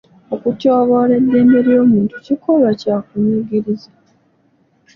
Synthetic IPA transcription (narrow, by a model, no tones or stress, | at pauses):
okutoːβole̞dːeːmbe̞ɾjo̞ːmuːntucikoβacakuɲuɡiɾiza | a